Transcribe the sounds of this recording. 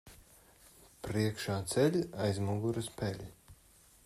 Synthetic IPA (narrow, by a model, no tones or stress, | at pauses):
pɾiɛkʃaːt̪sɛlʲajzmuɡuɾɨspɛlʲ